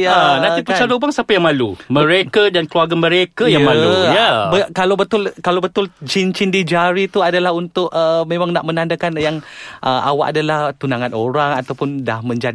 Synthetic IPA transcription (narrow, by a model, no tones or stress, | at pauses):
janãnt̪ipət͡ʃalobaŋsapajaŋmalumə̃ɾekadankəluaɡamə̃ɾekajaŋmalujabəkalawbət̪ʊlkalawbət̪ʊld͡ʒint͡ʃindid͡ʒaɾit̪uadalaɦunt̪ʊʔəmemaŋnaʔmənandakanjaŋʔəa̰wa̰ʔa̰dalaht̪unaŋanoɾaŋat̪awpʊndahmə̃ɲd͡ʒa